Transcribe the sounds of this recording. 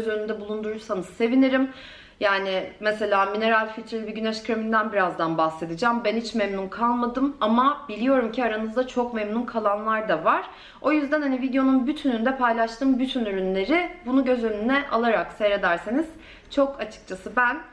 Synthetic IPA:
zønynd̪ɛbulˠund̪uɾuɾsanɯz̥se̞viniɾim | jaːnɪmese̞lʲaːmine̞ɾalʲfilʲt̪ɾelʲbiɟyneʃkɾemind̪ænbiɾazd̪anbaxse̞d̪ɯd͡ʒambænhit͡ʃmemnunkʰalˠmad̪ɯmamabilʲijo̞ɾumciaɾanɯzd̪at͡ʃʰo̞kmemnunkʰalˠanlˠaɾd̪avaɾ̥ | o̞jyzd̪ænhanivid̪jo̞nunbyt̪ʰynynd̪ɛpʰajlˠaʃt̪ʰɯːmbyt̪ʰynyɾynlʲe̞ɾɪbunuɟø̞zø̞nynɛʔalˠaɾakseɾe̞d̪æɾseniz̥ | t͡ʃʰo̞kʰat͡ʃʰɯ̥k̚t͡ʃʰasɯbæn

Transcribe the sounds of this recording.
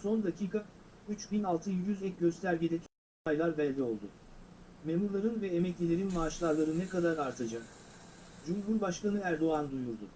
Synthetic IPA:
so̞nd̪acʰiːkʰayt͡ʃbinalˠt̪ʰɯjyzɛc̚ɟø̞st̪ʰæɾɟid̪ɛt̪ʰ | ajlˠaɾbɛlʲːio̞lˠd̪ʊ | me̞muɾlˠaɾɯnvɛemɛclʲelʲeɾinmaːʃlˠaɾlˠaɾɯnɛkad̪aɾaɾt̪ʰad͡ʒak | d͡ʒumɦuɾbaʃkanɯæɾd̪o̞and̪ujuɾd̪ʊ

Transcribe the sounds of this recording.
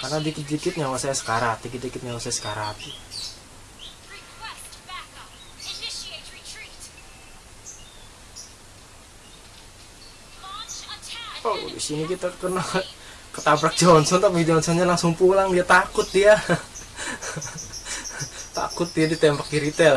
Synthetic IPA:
karnadikɪt̪̚dikɪt̪̚ɲawasajasə̥kaɾat̪ikɪt̪̚dikɪt̪̚ɲawasajasə̥kaɾat̪i | odḭsinikit̪akəna | kət̪abɾak̚d͡ʒɔnsɔnt̪apid͡ʒɔnsɔnɲalaŋsʊŋpulaŋbijat̪akʊt̪̚ija | t̪a̰kʊt̪̚dijadit̪ɛmbak̚iɾit̪ɛl

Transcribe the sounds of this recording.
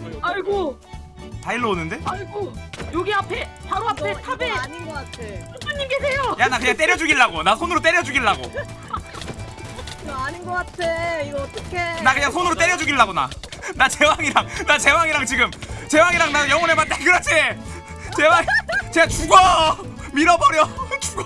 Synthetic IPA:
aɭɡo | taiɭːoonɯnde̞aɭɡojoɡiapʰe̞paɾoapʰe̞tʰabeɲinɡʌk͈atʰe | sʰaɲːimkesʰe̞jojanakɯɲaŋt͈e̞ɾjʌd͡ʑuɡiɭːaɡonasʰonɯɾot͈e̞ɾjʌd͡ʑuɡiɭːaɡo̰ | aɲinɡʌk͈atʰeiɡʌt͈ʌkʰenakɯɲaŋsʰonɯɾot͈e̞ɾjʌd͡ʑuɡiɭːaɡona̰nat͡ɕe̞waŋiɾaŋnat͡ɕe̞waŋiɾaŋt͡ɕiɡɯmt͡ɕe̞waŋiɾaŋnajʌŋwʌnemant͈akɯɾʌt͡ɕʰe | t͡ɕe̞waŋt͡ɕe̞ɡat͡ɕuɡʌ | miɾʌbʌɾjʌt͡ɕuɡʌ

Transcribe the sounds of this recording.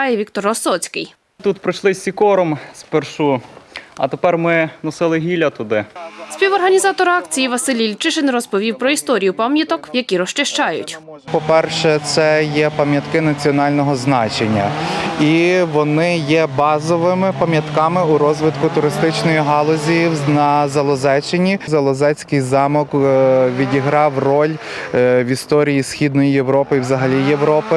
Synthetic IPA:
jɛʋʲikt̪ɔɾɔsɔt͡sʲkɪj | t̪ut̪pɾɪʃlˠɪsʲikɔɾɔmsperʃu | ɐ̰t̪epɛrmɪnɔsɪlˠɪɦʲilʲɐt̪ʊd̪ɪspʲiwɔrɦɐnʲizɑt̪ɔɾɑkt͡sʲijiʋɐsɪlʲilʲt͡ʃɪʃɪnrɔspɔʋʲiwpɾɔist̪ɔɾʲijʊpamʲjɐt̪ɔkjɐkʲiɾɔʃt͡ʃɪʃt͡ʃɑjʊ̰tʲpɔpɛrʃɛt̪sɛjɛpɐmʲjɐt̪kɪnɐt͡sʲiɔnɑlʲnɔɦɔznɑt͡ʃenʲːɐ̰iʋɔnɪjɛbɑzɔʋɪmɪpɐmʲjɐt̪kɑmɪuɾɔzʋɪt̪kʊt̪ʊɾɪst̪ɪt͡ʃnɔjiɦɑlˠɔzʲijinɐzɐlˠɔzɛt͡ʃɪnʲizɐlˠɔzɛt͡sʲkɪjzɑmɔkʋʲidʲiɦɾɑwrɔlʲ | ʋʲist̪ɔɾʲijisʲxʲid̪nɔjijeʋɾɔpɪiwzɐɦɐlʲijeʋɾɔpɪ

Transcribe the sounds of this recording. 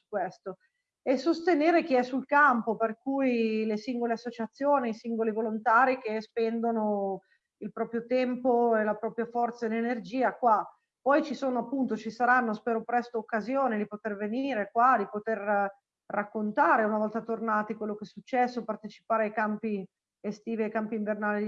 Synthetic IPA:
ukwest̪o | esːost̪eneːɾek̟iɛsulkampoperkujlesiŋɡoleasːot͡ʃat̪sːjoːniisiŋɡolivolont̪aːɾik̟espɛnd̪ono | ilpɾɔːpɾjot̪ɛmpoelapɾɔːpɾjafɔrt̪saelenerd͡ʒiːakwa | pɔjt͡ʃisoːnoapːunt̪ot͡ʃisaɾanːospɛːɾopɾɛst̪oːkːazjoːnid̪ipot̪erveniːɾekwad̪ipot̪er | rʔakːont̪aːɾeunavɔlt̪at̪ornaːt̪ikwelːokɛsːut͡ʃːɛsːopart̪et͡ʃi̥paːɾeajkampi | est̪iːviajkampiɱvernaːli

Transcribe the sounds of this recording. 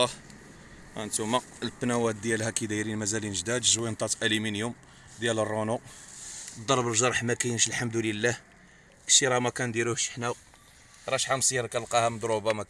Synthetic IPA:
ɑh | ʔæ̰nt̪umæ | lbnæwæt̪̚d̪jælhækid̪æjɾinmæzælinʒd̪æd̪ʒwint̪ˤɑt̪ʔæliminjum | d̪jælərˤːonu | d̪ˤːɑɾˤbəlʒɑɾˤħmækæjnʃəlħamd̪uləlːæh | ʃiɾˤɑmækænd̪iɾuhʃħnæ | ɾˤɑʃħamsˤiɾkælqɑhæmd̪ˤɾubɑmæ

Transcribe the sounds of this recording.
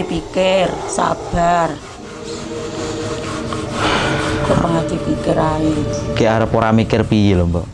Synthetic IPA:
ipikɪrsa̰b̥ar | kəpaŋad̪̥ipikɪɾaikeaɾapoɾamikɪrpijɪlɔmbɔʔ

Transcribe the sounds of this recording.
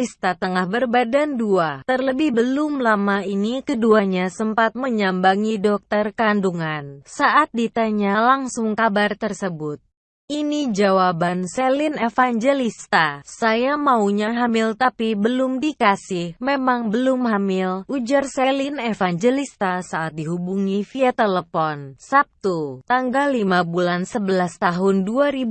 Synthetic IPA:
ist̪at̪əŋahbərbadanduat̪ərləbɪhbəlʊmlamainikəduaɲasəmpat̪̚məɲambaŋidɔk̚t̪ərkanduŋansaʔat̪̚dit̪aɲalaŋsʊŋkabart̪ərsəbʊt̪̚ | ʔinid͡ʒawabansɛlinefaŋd͡ʒelist̪asajamauɲaɦamɪlt̪apibəlʊmdikasɪhmemaŋbəlʊmɦamɪlʔud͡ʒarselinefaŋd͡ʒelist̪asaʔat̪̚diɦubuŋifiat̪eləfɔnsap̚t̪ut̪aŋɡalːimabulansəbəlast̪aɦʊnduaɾib

